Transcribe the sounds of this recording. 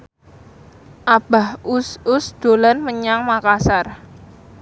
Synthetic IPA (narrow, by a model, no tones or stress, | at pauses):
ʔab̥a̤hʊsʊsd̪̥olanməɲaŋmakasar